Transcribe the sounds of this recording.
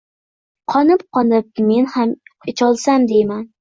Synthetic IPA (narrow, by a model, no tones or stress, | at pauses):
qʰɒnɪp̚qʰɒnɪp̚me̞nhamɪt͡ʃʰɒlˠsamd̪ejman